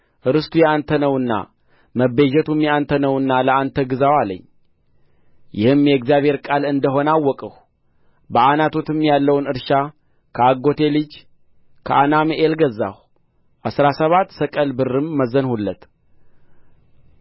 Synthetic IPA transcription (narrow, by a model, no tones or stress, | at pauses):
ʔɨɾɨst̪ʰujɛant̪ʰənəwɨnːa̰ | məbed͡ʒɛt̪ʰumjɛant̪ʰənəwɨnːaləant̪ʰəɡɨzawalə̰ɲː | jɪhɨmjɛɡzijaβhe̞ɾkʼalɨnd̪əɦo̞nawːɔkʼəh | bəʔanat̪ʰo̞t̪ʰɨmːjalːəwnɨɾʃa | kʰəaɡo̞t̪ʰe̞lɨd͡ʒ | kʰəʔanamʔelɡəzːa̰h | ʔasɾasəβat̪ːsəkʼəlbɨrːɨmːəzənhulːət̪